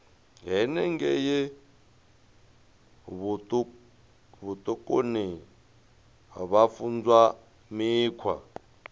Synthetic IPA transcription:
ɦɛnɛŋɡɛjɛ | βt | βut̪ʼɔkʼoni | βafund͡zwa | miːkʰwa̰

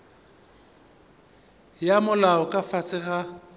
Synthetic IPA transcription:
jamʊlaɔkʼafat͡sʼɪɣa

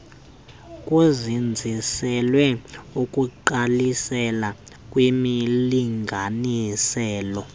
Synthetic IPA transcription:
kʼuzind͡zʱisɛlwɛukʼuǃalisɛla | kʼwimiliŋɡʱanisɛːlɔ

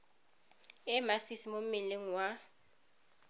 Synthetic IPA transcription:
ɛmasisimom̩mɪleŋ̩wa

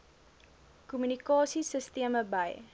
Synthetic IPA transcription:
kumynikɑːsisəstiəməbəj

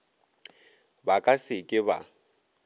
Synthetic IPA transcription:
bakʼasɪkʼɪba̰

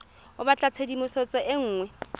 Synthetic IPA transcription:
ʊbat͡ɬʼat͡sʰedimʊsɔt͡sʼɔʔeŋ̩ːŋwɛ

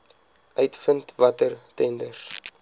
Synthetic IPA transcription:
œɥtfəntvɐtərtɛndəs

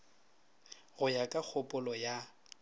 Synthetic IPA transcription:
ɣʊjakʼak͡xʰʊpʼʊlɔja

